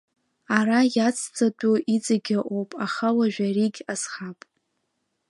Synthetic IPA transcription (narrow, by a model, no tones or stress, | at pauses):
arajat͡sʰd͡zʼatʼuit͡sʼaɡʲaʔowpʼaχalaʒᶣariɡʲazχapʼ